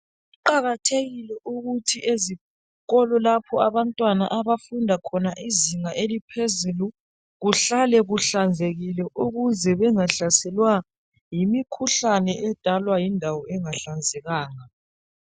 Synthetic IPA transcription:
uǃaɣatʰeɣilɛʔuɣutʰiezi | kʼɔlɔlapʰɔaβantʼwana̰ʔaβafundʱakʰɔnaʔiziŋaʔelipʰezulu | ɣuɬalɛɣuɬand͡zʱeɣilɛʔuɣuzɛβɛŋaɬasɛlwa | jimikʰuɬanɛʔɛd̥ʱalwajindʱawɔɛŋaɬand͡zʱɛɣaːŋa

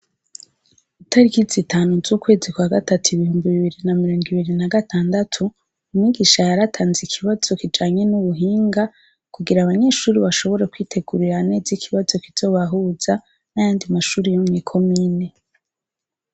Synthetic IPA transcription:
utʰaɾikizitʰaːnuzuːkwe̞ːzikwaɡatatuiβihuːmbiβiβiɾinamiɾoːŋɡiβiɾinaɡatʰaːndatʰu | umŋiɡiʃajaɾatʰaːnzikʰiβaz̥o̞kid͡ʒaːɲe̞nuβuɦiːŋɡa | kuɡiɾaβaɲe̞ʃuːɾiβaʃo̞βo̞ɾekwiːtʰe̞ɡuɾiɾane̞ːzikʰiβazo̞kiz̥o̞ːβaɦuːz̥a | najaːndimaʃuːɾijomŋiːkʰo̞miːne

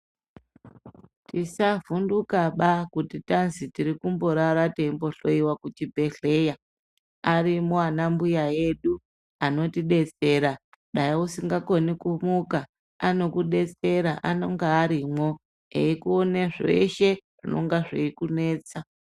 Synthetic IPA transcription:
tisavundukaɓakutitanzitiɾikumbo̞ɾaɾateimbo̞ɬo̞iwakut͡ʃibʱe̞ɬe̞ja | aɾimoanambujaje̞ɗu | ano̞tiɗe̞t͡se̞ɾa | ɗajiusiŋɡako̞nikumuka | ano̞kuɗe̞t͡se̞ɾaʔano̞ŋɡeːɾimwo̞ | ḛikuoneʐe̞̰ʃe̞ʐ̥ḭno̰ŋɡaʐeikune̞ːt͡sa

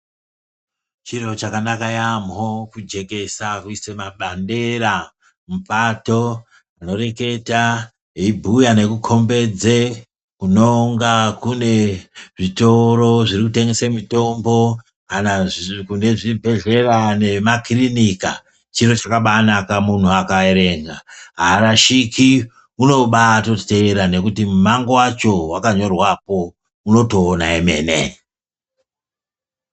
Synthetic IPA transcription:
t͡ʃiro̞t͡ʃakanakajamokud͡ʒe̞ke̞sakuisemaɓande̞ɾa | mupato̞ | ano̞re̞ke̞ta | ibʱujane̞kukʰo̞mbe̞d͡ze | kuno̞ŋɡakune̞ʐito̞ɾo̞ʐirikute̞ŋɡesemito̞mbo̞ | anakune̞ʐibʱe̞ɮe̞rane̞makrinika | t͡ʃiro̞t͡ʃakaɓanakamun̤uakaeɾe̞ŋɡaɦaɾaʃiki | uno̞ɓatoteːɾane̞kutimumaŋɡowat͡ʃo̞wakaɲo̞rwapo̞ | uno̞to̞ːna̰eme̞̰nḛ

